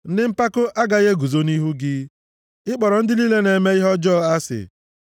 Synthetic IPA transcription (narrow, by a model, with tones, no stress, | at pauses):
n̩˦dɪ˦m̩˦pa˦kʊ˦ʔa˦ɡa˨ɣe˦ɡu˨zo˦ni˦ɦu˦ɡɪ˦ | ɪ˦k͡pɔ˨ɾɔ˨n̩˦dɪ˦li˦le˦ne˨me˦i˦ɦɔ˦d͡ʒɔ˦a˦sɪ̰˨